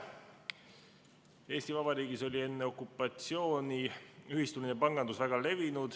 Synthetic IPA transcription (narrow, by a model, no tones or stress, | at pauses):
e̞ːst̪ivɑb̥ɑɾiːɡ̥iso̞lʲie̞nːeo̞kːˑupːˑɑt̪sio̞ːniyhist̪uminepɑŋɡ̥ɑnd̪usvæɡ̥ɑle̞vinud̪̥